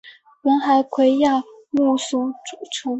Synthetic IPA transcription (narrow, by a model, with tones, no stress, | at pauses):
wə˧˥nxa˧˥ɪkʰwe˧˥ɪja˥˩ | mu˥˩su˥ʈ͡ʂu˨˩˦ʈ͡ʂʰʊ˧˥ŋ